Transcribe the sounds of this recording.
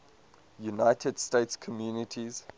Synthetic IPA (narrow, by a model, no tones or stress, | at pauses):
junaɪtʰəd̥stetskʰɔmjuːnitʰiz̥